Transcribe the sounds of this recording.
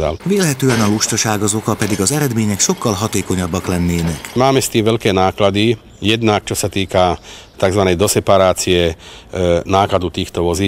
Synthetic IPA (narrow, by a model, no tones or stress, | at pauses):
a̰lʋiːlɦɛt̪øːɛnɔluʃt̪ɔʃaːɡɔzokɔpɛd̪iɡɔzɛɾɛd̪meːɲɛkʃokːɒlɦɔt̪eːkoɲɔbːɔklɛnːeːnɛkmaːmɛst̪iːmʋɛʎkɛːnaːklad̪i | jɛd̪nak̚t͡ʃɔsat̪iːka | t̪aɡzʋanɛjd̪ɔsɛpaɾaːt͡siɛ | naːklad̪ut̪iːxt̪ɔʋɔziː